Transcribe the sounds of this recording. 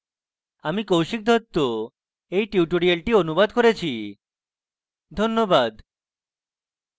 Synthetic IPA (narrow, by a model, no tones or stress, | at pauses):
amikowʃik̚d̪ʱɔt̪ːo | ejʈiuʈoɾialʈionubad̪koɾet͡ɕʰi | d̪ʱonːobad̪